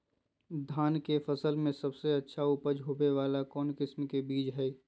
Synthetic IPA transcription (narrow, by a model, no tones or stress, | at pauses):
d̪ʱaːnkefəsəlmẽsɐbseɐtːʃʰaʊpəd͡ʒʱɦoːbeʋaːlakɔːnkɪsmkebiːd͡ʒɦɛː